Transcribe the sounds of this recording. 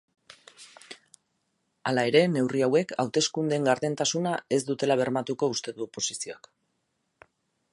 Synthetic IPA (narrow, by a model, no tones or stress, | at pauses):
alae̞ɾe̞ne̞wriawe̞ka̰wt̪e̞skund̪eŋɡaɾðe̞nt̪asunae̞zd̪ut̪e̞laβ̞e̞ɾmat̪uko̞ust̪e̞ðuopo̞sisio̞ak